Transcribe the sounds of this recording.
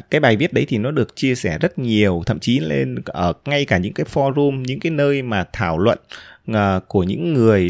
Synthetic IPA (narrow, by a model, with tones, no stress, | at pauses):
kaː˨˦jɓaː˨˩jvi˦˥ət̚ɗə˨˦jt̪ʰi˨˩nɔ˨˦ɗɨ˨˩ək̚t͡ɕi˧əsɛ˧˩zə˦˥t̚ɲi˨˩əwt̪ʰə̰˧˨mt͡ɕi˨˦le˧nʔəː˧˩ŋa˧jkaː˧˩ɲɨ̰˧˥ŋkaː˨˦jfɔ˧zu˧mɲɨ̰˧˥ŋkaː˨˦jnəː˧jmaː˨˩t̪ʰaː˧˩wlwə̰˧˨nəː˨˩ku˧˩əɲɨ̰˧˥ŋːɨ˨˩əj